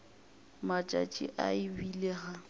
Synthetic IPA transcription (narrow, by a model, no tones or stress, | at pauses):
mat͡ʃʼa̰t͡ʃʼḭʔaɪbileɣa